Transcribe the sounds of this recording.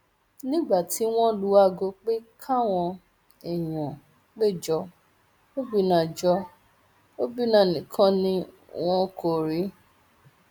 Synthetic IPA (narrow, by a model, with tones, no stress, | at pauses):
nĩ˦ɡ͡ba˦˨tʰi˨˦w̃ɔ̃˦lu˨˦a˦˨ɡo˧k͡pe˦kʰa˦˨w̃ɔ̃˧ | ɛ˨j̃ã˨ | k͡pe˦˨d͡ʒɔ˧˦ | o˦bi˦nã˨d͡ʒɔ˧ | o˦bi˦nã˨˦˨nĩ˨kʰã˦nĩ˦ | w̃ɔ̃˦ko˨ɾi˨˦